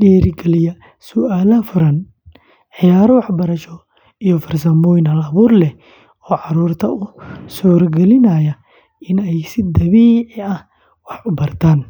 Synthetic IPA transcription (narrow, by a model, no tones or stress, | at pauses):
ɗɛːɾɡɛlɪjɐ | sʊaːlɐfʊɾɐn | ʕɪjaːɾɔwɑħbɐɾɐʃɔ | ijɔfɐrsɐmbɔːjnɐlɐβuːrlɛ | ɔːʕɑɾuːrt̪ʰɐʊsuːrɡɛlɪnɐjɐ | ɪnɛjsɪd̪ɐβiːʕɪɐh | wɑħʊbɐrt̪ʰaːn